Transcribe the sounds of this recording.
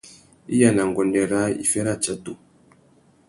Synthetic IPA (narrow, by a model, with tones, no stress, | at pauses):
ḭ˦ja˨na˨ŋ˨ɡɔ˨ndɛ˨ɾa˦ḭ˨fɛ˦ɾa˦˨t͡ʃa˦to˦˨